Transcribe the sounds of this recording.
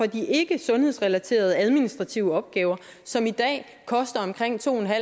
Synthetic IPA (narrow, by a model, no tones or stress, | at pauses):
ɒ̽d̥iʔe̝ɡ̥əsɔ̽nhḛsʁɛlæt͡sʰe̝̰ːɐð̞ˠæðˠminisd̥ʁɑ̈t͡sʰiʊəɒ̽b̥̚ɡ̥ɛːʊɐ | sɒ̽mid̥ɛ̰ː | kʰɒ̽sd̥ɐɒ̽mkʰʁeŋ̰t͡sʰo̝̰ːenɦæ